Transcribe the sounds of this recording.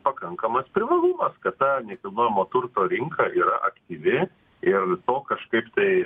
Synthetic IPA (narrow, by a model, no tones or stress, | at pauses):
pɐkɐŋkɐmɐspʲɾʲɪʋɐlˠʊmɐskɐt̪t̪ɐnʲɛkʲɐlʲˠnoːjɛmoːt̪ʊɾt̪oːɾʲɪŋkʰɐʔiːɾɐʔɐkt̪ʲiːʋʲɪ | ɪrt̪oːkɐʃkɐɪpt̪ɐɪ